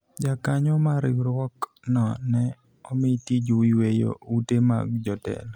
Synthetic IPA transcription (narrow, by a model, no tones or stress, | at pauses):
d͡ʒakaɲɔmaɾɪwɾwɔk | nɔnɛ | ɔmitid͡ʒowiwejo̰utema̰ɡd͡ʒɔtɛ̰l